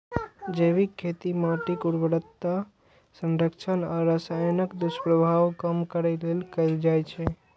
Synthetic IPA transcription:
d͡ʒebikʰːet̪imaʈikuɽbəɾət̪ːa | sə̃nɾəkt͡ʃʰənaɾəsajnəkd̪uspɾəbʱawkəmkəɾɛlelkəɪld͡ʒajt͡ʃʰɛ

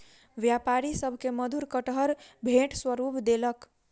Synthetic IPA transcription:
ʋjapaɾisəbʱkeməd̪uɾkəʈɦəɾbʱeʈswəɾupd̪elək

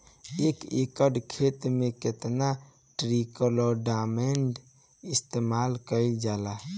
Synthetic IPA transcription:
ekekəɖkʰet̪meket̪na | ʈɾikəlɔɖameɳɖ | ist̪emalkəjd͡ʒala

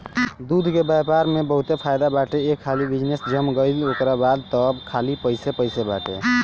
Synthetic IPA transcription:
d̪ud̪ʱkebjapaɾmebəɦut̪epʰajd̪abaʈeekʰːalibid͡ʒnesd͡ʒəmɡəɪlokɾabad̪̚t̪əbkʰalipəjsepəjsebaʈḛ

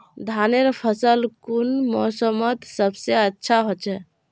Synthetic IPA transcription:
d̪ʱaneɾpʰəsəlkunmɔsəmət̪səbseətːʃʰaɦot͡ʃʰɛ

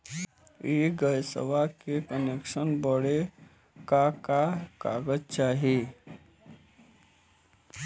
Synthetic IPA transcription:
iɡəjsə̰ʋakekənekʃənbəɽe | kakaka̰ɡəd͡ʒt͡ʃaːɦe

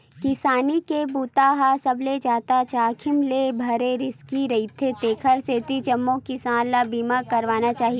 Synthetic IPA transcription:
kɪsaːnikebuːt̪aɦasɐbled͡ʒaːt̪at͡ʃaːkʰɪmlebʱɐɾeɾɪskiɾɐit̪ʰet̪eːkʰəɾseːt̪it͡ʃɐmːokɪsaːnlabiːmakɐɾʋaːnat͡ʃaːɦie

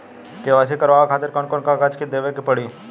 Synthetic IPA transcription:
keʋaːs̬ikɐɾʋaːakʰaːt̪ɪɾkɔnkɔːnkakat͡ʃkid̪eːʋekipɐɽi

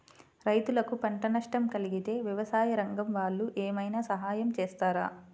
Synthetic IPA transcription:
ɾɐjt̪ulɐkupɐɳʈɐnɐʂʈɐmkɐliɡit̪e̞ːʋjɐʋɐsaːjɐɾɐŋɡɐmʋaːɭːuʔeːmɐjnaːsɐɦaːjɐmt͡ʃeːst̪aːɾa̰ː

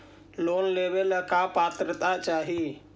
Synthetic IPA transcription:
loːnlebeləkapat̪ɾət̪at͡ʃaːɦi

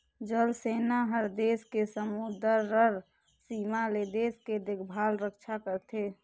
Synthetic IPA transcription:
d͡ʒəlseːnaɦəɾd̪eːskesəmud̪əɾːəɾ | siːmaled̪eːsked̪ɪkʰbʱaːlɾəkt͡ʃʰakəɾt̪ʰe

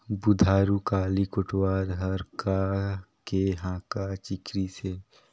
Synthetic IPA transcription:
bʊd̪ʱaːɾukaːlikʊʈwaːɾɦɐɾkakeɦãːkat͡ʃɪkɾise

